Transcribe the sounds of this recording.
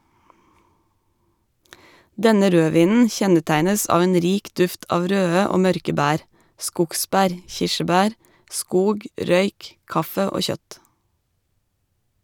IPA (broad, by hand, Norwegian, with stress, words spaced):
ˈdɛnə ˈɾøːˌʋiːnn̩ ˈçɛnəˌtæɪnəs ˈɑːʋ ˈeːn ˈɾiːk ˈdʉft ˈɑːʋ ˈɾøːə ˈoː ˈmœɾkə ˈbæːɾ ˈskʊkˌsbæːɾ ˈçɪʃəˌbæːɾ ˈʔskuːɡ ˈɾœʏk ˈkɑfə ˈoː ˈçœt